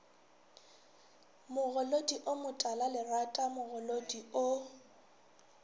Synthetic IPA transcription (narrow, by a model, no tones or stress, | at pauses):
mʊɣʊlodiʔʊmʊtʼalalɪratʼamʊɣʊlodiʊ